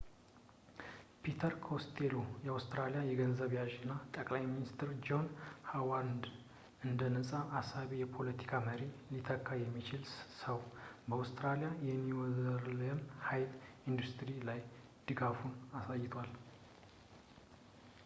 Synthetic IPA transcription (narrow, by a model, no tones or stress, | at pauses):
pʰit̪ʰəɾkʰost̪ʰelojɛawst̪ɾalijajɛɡənzəβjaʒɨnːat̪ʼəkʼlajminist̪ʰɾd͡ʒo̞nhawand̪ | ɨnd̪ənəsʼaʔːsaβijɛpʰo̞lət̪ʰi̥kʰaməɾilit̪ʰəkʰːajɛmːit͡ʃɪlsəwbəawst̪ɾalijajɛnːiwɔzəɾləmhajlind̪ust̪ɾilaj | d̪̥ɨɡafunasajɪt̪ʰwal